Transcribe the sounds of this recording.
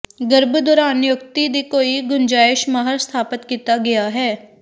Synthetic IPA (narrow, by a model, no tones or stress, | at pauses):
ɡəɾbd̪oːɾaːnjʊk̚t̪iːd̪iːkoːiːɡʊnd͡ʒaːɪʃməɦəɾst̪ʰaːpət̪kiːt̪aːɡɪjaːɦɛː